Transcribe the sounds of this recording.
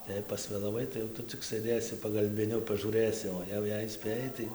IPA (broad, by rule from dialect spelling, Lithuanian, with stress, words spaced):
tɐɪ ˈjɛɪ pɐsʲʋʲeːlˠɐˈʋɐɪ tɐɪ jɛʊ ˈtʊ t͡sʲɪk sɘˈdʲeːsʲɪ pɐɡɐlʲbʲɪˈnʲʊ pɐʒuːˈrɘsʲɪ oː ˈjɛʊ jɛɪ ˈsʲpʲeːjɛɪ tɐɪ